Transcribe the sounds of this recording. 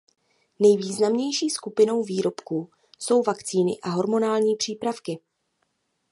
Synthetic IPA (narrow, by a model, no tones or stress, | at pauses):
nɛjviːznamɲɛjʃiːskupɪno̞wviːɾo̞pku | so̞wvakt͡siːnɪ̰ʔaɦo̞ɾmo̞naːlɲiːpr̝̥iːpɾafkɪ